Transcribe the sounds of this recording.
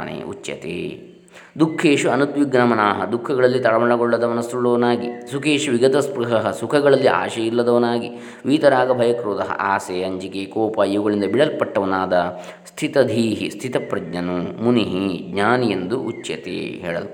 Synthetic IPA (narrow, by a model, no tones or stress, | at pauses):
nḛːṵt͡ʃːjɐ̰t̪ḛː | d̪ukʰːeːʃuɐnud̪ʋiɡnɐmɐnaːɦɐd̪ukʰːɐɡɐɭɐlːit̪ɐɭɐmɐɭɐɡɔɭːɐd̪ɐmɐnɐsɾuɭːɐʋɐnaːɡisukʰeːʃuʋiɡɐt̪ɐspɾuɦɐɦɐsukʰɐɡɐɭɐlːiʔa̰ːʃɐjilːɐd̪ɐʋɐnaːɡi | ʋiːt̪ɐɾaːɡɐbʱɐjɐkɾoːt̪ɐɦɐ̰ʔaːseːɐɲd͡ʒikeːkɔːpaːjiʋuɡɐɭind̪ɐbiɭɐlpɐʈːɐʋɐnaːd̪ɐ | st̪ʰit̪ɐd̪ʱiːɦḭst̪ʰit̪ɐpɾɐɡɲɐnumuniɦiɡɲaːnijend̪uʔut͡ʃjɐ̰t̪ḛːɦḛːɭɐlu